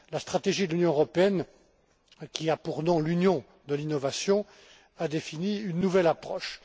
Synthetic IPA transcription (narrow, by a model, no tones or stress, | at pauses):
last̪χat̪eʒid̪əlynjɔ̃øʁɔpeɛn | kʲiapuʁnɔ̃lynjɔ̃ | d̪əlinɔvasjɔ̃ | ad̪efiniynːuvɛlapχɔʃ